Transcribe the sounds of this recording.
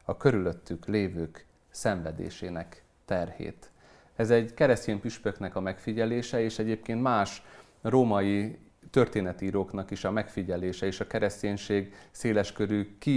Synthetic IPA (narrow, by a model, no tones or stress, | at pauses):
ɒkø̞ɾyløt̪ːykleːvøːk | sɛɱvɛd̪ḛːʃeːnɛk | t̪ɛrhḛːt̪ | ɛzɛɟkɛɾɛsceːmpyʃpø̞kn̪ɛkɒmɛkfiɟɛleːʃɛeːʃɛɟeːp̚keːnt̪maːʃ | roːmɒji | t̪ø̞rt̪eːnɛt̪iiːɾoːknɒkiʃɒmɛkfiɟɛleːʃɛeːʃɒkɛɾɛsceːɲʃeːɡseːlɛʃkøɾyki